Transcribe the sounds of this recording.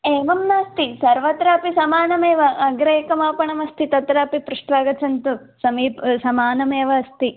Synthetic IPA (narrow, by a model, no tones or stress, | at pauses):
eːʋɐmnaːst̪isɐɾʋɐt̪ɾaːpisɐmaːnɐmeːʋɐʔɐɡɾɐːkɐmaːpɐɳɐmɐst̪it̪ɐt̪ɾaːpipɾuʂʈʋaːɡɐt͡ʃɐnt̪u | sɐmiːpsɐmaːnɐmeːʋɐɐst̪i